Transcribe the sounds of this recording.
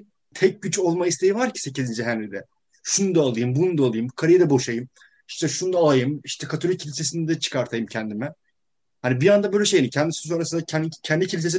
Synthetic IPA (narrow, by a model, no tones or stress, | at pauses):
t̪ʰɛc̚ɟyt͡ʃo̞lˠmaist̪ʰe̞jivaɾcʰi̥se̞cizind͡ʒiɦænlʲid̪ɛ | ʃunud̪aːlˠɯjɯmbunund̪aːlˠɯjɯmkʰaɾajad̪ɛbo̞ʃajɯm | i̥ʃt̪ʰɛʃunud̪aːlˠajɯmiʃt̪ʰɛkʰat̪ʰoɾʲicʰːilʲise̞sinɛd̪ɛt͡ʃʰɯ̥kʰaɾt̪ʰajɯmcʰɛnd̪imɛ | hanibijand̪abø̞jlʲɛʃe̞jnimcʰɛnd̪isi̥so̞nɾasɯnd̪aɛncʰɛnd̪icʰilʲisesi